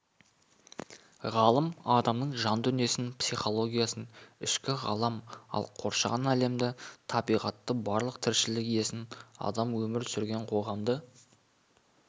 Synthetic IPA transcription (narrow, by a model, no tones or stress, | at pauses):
ʁɑlˠəmɑd̪ɑmnəɴʒɑnd̪ʏnije̞sɪnpsijχo̞lˠo̞ɡʲijasənɪʃkʲɪʁɑ̰lˠɑmɑ̰lˠqʰo̞ɾʃɑʁɑnæle̞md̪ɪt̪ʰɑbijʁɑt̪ːəbɑɾlˠəq̚t̪ʰɪɾʃɪlɪkije̞sɪnɑ̰d̪ɑmwɵmɪɾsʏɾɡʲe̞ɴqʰo̞ʁɑmd̪ə